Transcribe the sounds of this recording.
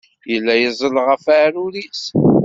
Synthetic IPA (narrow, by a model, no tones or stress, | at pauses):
jəlːæjəzˤəlʁəfaɾuɾis